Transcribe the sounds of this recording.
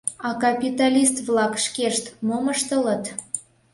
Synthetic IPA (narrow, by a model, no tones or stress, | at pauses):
ɑkɑpʲit̪ɑlʲist̪βlɑkʃkeʃt̪moməʃt̪ələt̪